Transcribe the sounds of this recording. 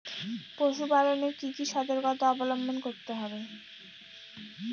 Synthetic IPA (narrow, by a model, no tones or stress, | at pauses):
pɾoʃubaɾonekikiʃɔd̪oɾkot̪oɔbolombʱonkoɾt̪eɦɔbe